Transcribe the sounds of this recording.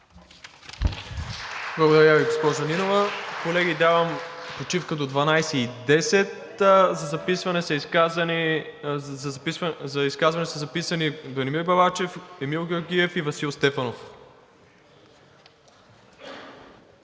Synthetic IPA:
blˠɐɡod̪ɐɾaviɡospɔzɐninovəkolɛɡʲid̪avəmpot͡ʃifkəd̪od̪vɐnajsɛid̪ɛsɛt̪ | zɐzɐpisvɐnɛsɐiskazn | zɐiskazvɐnɛsɐzɐpisɐnibɐnimiɾbɐvat͡ʃɛfɛmilˠɡʲoɾɡ̟ʲiɛfivɐsilˠst̪ɛfɐnof

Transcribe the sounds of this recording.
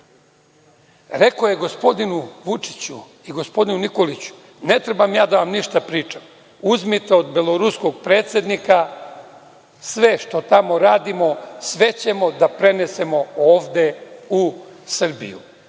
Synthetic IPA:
ɾe̞ko̞je̞ɡo̞spo̞d̪inuʋut͡ʂi̥t͡ɕṵ | iɡo̞spo̞d̪inuniko̞lit͡ɕu̥ | ne̞t̪ɾe̞bamjaːd̪aʋamniʃt̪apɾiːt͡ʃam | uzmit̪eod̪belˠo̞ɾusko̞ɡ̚pɾe̞ːt̪sʲje̞d̪nika | sʋe̞ʃt̪o̞t̪amo̞ɾaːd̪imo̞sʋe̞t͡ɕe̞mo̞d̪apɾe̞ne̞se̞mo̞oːʋd̪eusr̩bḭjṵ

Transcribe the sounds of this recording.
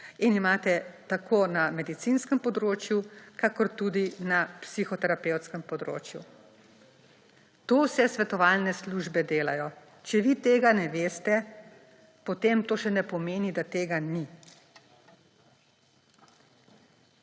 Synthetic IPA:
inimaːt̪ɛt̪akʰoːnamɛd̪it̪sinskəmpɔd̪ɾoːt͡ʃjukakɔɾt̪ud̪inapsixɔt̪ɛɾapewt̪skəmpɔd̪ɾo̰ːt͡ʃjṵ | t̪owsɛsʋɛt̪ɔʋaːlnɛsluʒbɛd̪eːlajɔ | t͡ʃɛʋit̪eːɡanɛʋeːst̪ɛ | pɔt̪eːmt̪oːʃɛnɛpɔmeːnid̪at̪eːɡani

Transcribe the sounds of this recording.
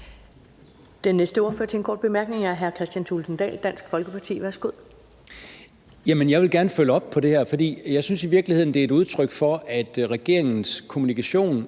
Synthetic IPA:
d̥enːesd̥əo̝ːɐføɐ̰t͡sʰe̝enkʰɒ̰ːd̥̚b̥e̝mæɐɡ̥ne̝ŋæɦæɐkʰʁɛsd̥jænt͡sʰulsn̩d̥ɛ̰ːld̥æn̰sɡ̥fɒ̽lɡ̥əpʰɑ̈t͡sʰḭːʋæɐsɡ̥uð̰ˠ | jæmənjɑ̈ɪʋe̝lɡ̥æɐnəføləɒ̽b̥̚pʰɒ̽d̥e̝heɐfɒ̽d̥ḭːjɑ̈ɪsynsiʋiɐɡ̥lihe̝ð̞̰ˠn̩d̥eæɐe̥uð̞ˠt͡sʰʁœɡ̥fɒ̽æd̥ʁɛɡ̥e̝ɐ̰eŋn̩skʰo̝munikʰæɕo̝̰ːn

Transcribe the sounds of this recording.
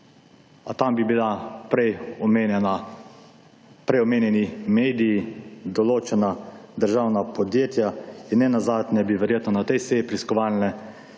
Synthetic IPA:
at̪ambibilapɾɛj | a | pɾɛjɔmeːnjɛnimeːd̪ijːd̪ɔloːt͡ʃɛnad̪əɾʒawnapɔd̪jeːt̪jainːɛnazaːd̪nʲɛbiʋɛɾjeːt̪nɔnat̪ɛjseːjipɾiskɔʋaːlnɛ

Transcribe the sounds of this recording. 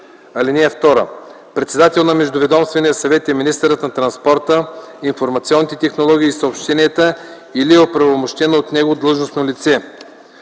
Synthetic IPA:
ɐlinɛɛft̪ɔɾə̰ | pɾɛt̪sɛd̪at̪ɛlˠnɐmɛʒd̪ovɛd̪ɔmst̪vɛnijəsɐvɛt̪ɛminist̪əɾət̪nɐt̪ɾɐnspɔɾt̪ə | infoɾmɐt̪siɔnːit̪ɛt̪ɛxnolˠɔɡʲiːsɐopʃt̪ɛnʲiɛt̪ə | iliɛopɾɐvomoʃt̪ɛnoot̪nɛɡod̪lˠɤʒnosnolit̪sɛ

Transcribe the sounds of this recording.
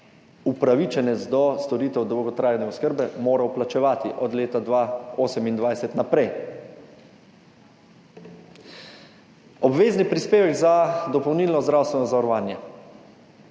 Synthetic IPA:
upɾaʋit͡ʃɛnɛt̪zd̪ɔst̪ɔɾiːt̪ɛwd̪ɔwɡɔt̪ɾaːjnɛɔskəɾbɛmoːɾawplat͡ʃɛʋaːt̪iʔɔd̪leːt̪ad̪ʋaoːsɛmind̪ʋajsɛt̪napɾɛj | ɔbʋeːznipɾispeːʋɛɡzad̪ɔpɔwnilnɔzd̪ɾaːwst̪ʋɛnɔzaɔɾɔʋaːnjɛ

